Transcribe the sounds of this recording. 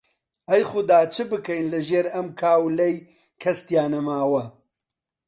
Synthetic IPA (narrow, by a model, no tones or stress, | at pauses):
ɐjxʊd̪aːt͡ʃʰɨbɨkɐjnlɨʒeːɾɐmkʰaːwlɐj | kʰɐst̪jaːnɐmaːwɐ